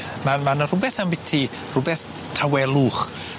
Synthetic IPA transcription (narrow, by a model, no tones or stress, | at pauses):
mamanərʊbɛθambɪtʰi | r̥ʊbɛθ | tʰawɛlˠuːχ